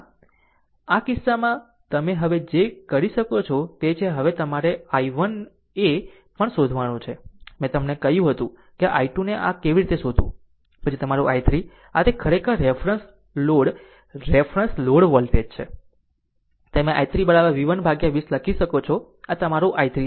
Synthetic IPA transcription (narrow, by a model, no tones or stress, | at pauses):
akisːamã | t̪əmeɦəʋed͡ʒekəɾiʃəkot͡ʃʰɔt̪et͡ʃʰeɦəʋet̪əmaɾeaiʋən | e | pəɳsod̪ʱʋanũt͡ʃʰemɛ̃t̪əmnekəjũɦət̪ũ | keʔa̰jʈuneʔa̰keʋiɾit̪esod̪ʱṵ̃ | pət͡ʃʰit̪əmaɾuʔajt̪ɾi | a̰t̪ekʰəɾekəɾːefɾəns | loɽ | ɾefɾənsloɽʋəlʈeɖt͡ʃʰḛ | t̪emẽʔa̰jt̪ɾibəɳaʋaʋiʋənbʱaɡjaʋisləkʰiʃəkot͡ʃʰɔ | at̪əmaɾuʔajt̪ɾi